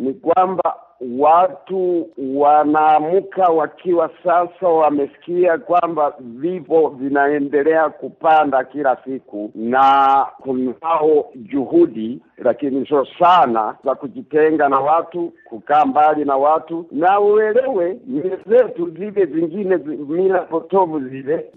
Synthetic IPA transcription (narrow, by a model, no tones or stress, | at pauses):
nikwamba | watuwanaːmukawakʰiwasasawamɛsi̥kiakwambavivɔvinaɛndɛlɛakupandakilasikunakunaɔd͡ʒuhudilakinisɔsana̰zakud͡ʒitɛŋɡanawatukukaːmbalinawatunauwɛlɛwɛmizɛtuzivɛziŋɡinɛzmilapɔtɔvuzilɛ